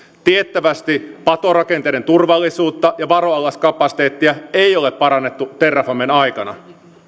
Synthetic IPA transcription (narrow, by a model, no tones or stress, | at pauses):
t̪iet̪ːæʋæst̪ipɑt̪o̞rɑkent̪ejdɾe̞nt̪urʋɑlːisuːt̪ːɑjɑʋɑɾo̞ɑlːɑskɑpɑsi̥t̪e̞ːt̪ːiæe̞jo̞le̞ppɑɾɑnːe̞t̪ːut̪erːɑfɑmːenɑjkɑnɑ̰